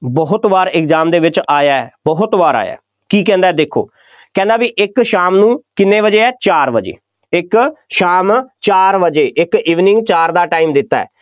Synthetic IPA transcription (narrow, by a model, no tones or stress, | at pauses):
bɔɦʊt̪ʋaːɾɪkzaːmd̪eːʋɪt͡ʃaːjaːɛːbɔɦʊt̪ʋaːɾa̰ːja̰ː | kiːk̬ɛ̃ːnd̪aːɛːd̪eːkʰo̰ː | kɛ̃ːnd̪aːbiʔɪkʃaːmnũːkɪnːẽːʋəd͡ʒeːɛːt͡ʃaːɾʋəd͡ʒḛː | ɪkʃaːmt͡ʃaːɾʋəd͡ʒeːʔɪkiːʋnɪ̃ŋɡt͡ʃaːɾd̪aːʈaːiːmd̪ɪt̪ːa̰ːɛ̰ː